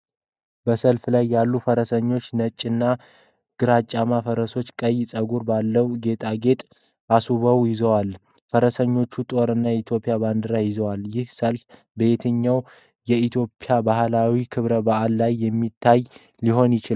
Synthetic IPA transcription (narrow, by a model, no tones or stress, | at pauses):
b̥əsəlflajːalːufəɾəsəɲːo̞t͡ʃːnət͡ʃʼːɨnːa | ɡ̥ɨɾat͡ʃʼːamafəɾəso̞t͡ʃːkʼəjɪsʼəɡuɾbalːəwɡe̞t̪ʼaɡe̞t̪ʼ | asuβəwjɪzəwal | fəɾəsəɲːo̞t͡ʃːut̪ʼo̞ɾɨnːajɛit̪ʰjo̞pʼijaband̪ɨɾajɪzəwaljɪhsəlf | bəet̪ʰɨɲːaw | jɛit̪ʰjo̞pʼːjabahlawikʰɨβɾəbaʔalːajːɛmːit̪ʰːaj | liɦo̞njɪt͡ʃɪl